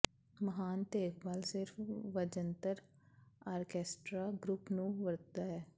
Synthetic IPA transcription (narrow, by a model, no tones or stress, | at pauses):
məɦaːnt̪eːkbaːlsɪɾfʰʋəd͡ʒənt̪əɾ | aːɾkɛːsʈɾaːɡɾʊpnũːʋəɾt̪aːɦɛː